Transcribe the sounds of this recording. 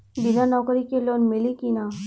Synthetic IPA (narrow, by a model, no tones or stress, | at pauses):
binanɔkəɾikelonmelikina